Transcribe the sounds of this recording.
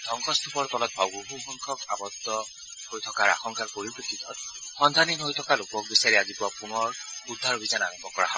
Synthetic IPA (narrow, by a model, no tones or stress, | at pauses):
d̪ʱɔŋkʰɔst̪ʰupʰɔɹt̪ɔlɔt̪̚bʱawɡuɦuxɔŋkʰɔkabɔd̪ɔ | hojt̪ʰɔkaɹa̰xɔŋkʰaɹpoɹipɹikʰit̪ɔt̚xɔnd̪ʱaninɦojtʰɔkalokɔk̚bisaɹiazipʊwapunɔɹudʱːaɹobʱizanabɔkɔɹaɦa